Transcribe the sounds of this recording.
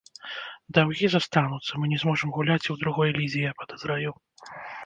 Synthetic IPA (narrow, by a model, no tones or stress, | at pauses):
d̪awɣʲizast̪anut̪sːɐmɨnʲɛzmɔʐɨmɣulʲat͡sʲiwd̪ɾuɣɔjlʲizʲijɛpɐd̪ɐzɾaju